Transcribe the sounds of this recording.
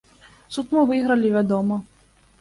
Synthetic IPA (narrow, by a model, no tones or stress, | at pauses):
sut̪mɨvɨɣɾɐlʲivʲad̪ɔmɐ